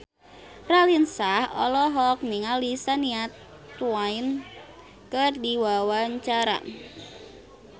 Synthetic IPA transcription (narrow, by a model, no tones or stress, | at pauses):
ralinsahɔ̰lɔɦɔk̚miŋalisaniat̪ | wain | kərdiwawaɲt͡ʃaɾa̰